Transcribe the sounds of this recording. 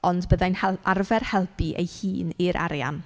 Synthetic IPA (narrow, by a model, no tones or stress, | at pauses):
ɔndbəðajnhɛlarvɛrhɛlˠpiʔḛjhiːniɾʔa̰ɾja̰n